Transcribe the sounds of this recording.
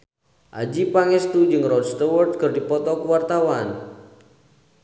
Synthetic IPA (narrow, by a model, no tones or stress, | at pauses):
ʔa̰d͡ʒipaŋɛst̪ud͡ʒɨŋrɔdst̪ɔwərd̪̚kɨrdipɔt̪ɔkuwart̪awan